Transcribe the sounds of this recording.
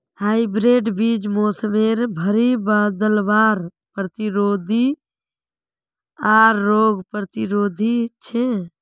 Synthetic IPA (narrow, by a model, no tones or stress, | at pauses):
haɪbɾeɖbid͡ʒmosəmeɾbʱəɾibad̪əlbaɾ | pɾət̪iɾod̪ʱi | aɾːoɡpɾət̪iɾod̪ʱit͡ʃʰe